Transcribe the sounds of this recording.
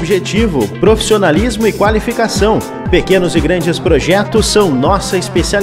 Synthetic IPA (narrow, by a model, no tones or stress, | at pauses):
biʒet͡ʃivʊpɾofi̥sionalizmʊɪkwalifikasɐ̃w̃ | pekẽnʊzɪɡɾɐ̃nd͡ʒɪspɾoʒɛt̪ʊsːɐ̃w̃nɔsɐispesial